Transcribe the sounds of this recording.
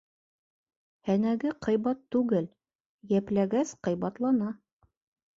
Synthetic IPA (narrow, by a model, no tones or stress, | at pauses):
hænæɡɘqʰɤ̆jβɑt̪ːʉɡɘl | jæplæɡæsqɤ̆jβɑt̪lˠɑnɑ